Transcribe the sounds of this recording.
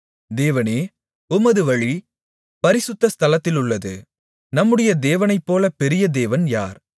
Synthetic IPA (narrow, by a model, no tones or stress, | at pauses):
d̪eːʋɐneː | ʊmɐðɯʋɐɻi | pɐɾɪsʊt̪ːɐst̪ʰɐlɐt̪ːɪlʊɭːɐðɯ̰ | nɐmːɯɽɐjɐd̪eːʋɐnɐɪpːoːlɐpɛɾɪjɐd̪eːʋɐnja̰ːɾ